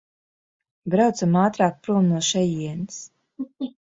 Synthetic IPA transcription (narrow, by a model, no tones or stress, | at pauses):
bɾawt̪samaːt̪ɾaːk̚pɾuɔmnuɔʃɛjiɛns